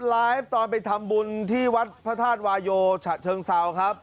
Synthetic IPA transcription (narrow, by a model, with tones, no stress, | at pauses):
laː˦˥jft̪ɔː˧npa˧jt̪ʰa˧mbu˧nt̪ʰiː˥˩wa˦˥t̪̚pʰa˦˥t̪ʰaː˥˩t̪̚waː˧joː˧t͡ɕʰa˨˩t̪̚t͡ɕʰɤː˧ŋsa˩˦wkʰɾa˦˥p̚